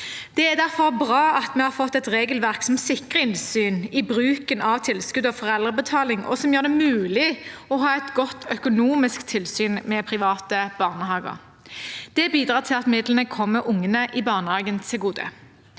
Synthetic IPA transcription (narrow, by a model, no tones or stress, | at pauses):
d̪̥ɛæd̪æʁfɔʁbʁɑːɑt̪mɛhɑʁfɔt̪ːɛt̪ʁeːɡəlʋæʁksɔmsɪkʁəɪnsyːnɪbʁʉːkənɑʋt̪ʰɪlskʉd̪ɔfɔʁɛld̪ʁəbət̪ʰɑːlɪŋɔ̰sɔmjøːʁd̪ɛmʉːlɪɔɦɑːɛt̪ɡɔt̪ʰːœkʊnuːmɪskt̪ʰɪlsyːnmɛpʰʁɪʋɑːt̪əb̥ɑʁnəhɑːɡə̰ʁ | d̪̥ɛbiːd̪ɾɑːʁt̪ʰɪlɑt̪mɪd̪lənəkʰɔmːəʔʊŋːənəʔɪbɑːʁnəhɑːɡənt̪ʰɪlɡuːd̪ə̰